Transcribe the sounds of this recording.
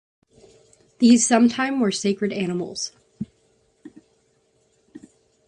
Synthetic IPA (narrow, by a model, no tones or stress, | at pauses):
ðiz̥sʌ̃mtʰãɪ̃mwə˞seɪkɹɨɾænəml̩ˠz̥